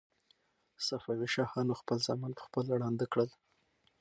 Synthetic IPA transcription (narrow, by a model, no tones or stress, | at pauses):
safawiʃɑhɑnoxpəlzɑmɑnpə̥xpəlɽɑnd̪əkɽəl